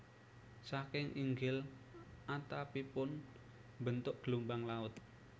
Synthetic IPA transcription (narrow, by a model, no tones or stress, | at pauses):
sakɪŋʔiŋɡɪl | ʔat̪apipʊn | mbənt̪ʊʔ̚ɡ̥lumbaŋlaʊt̪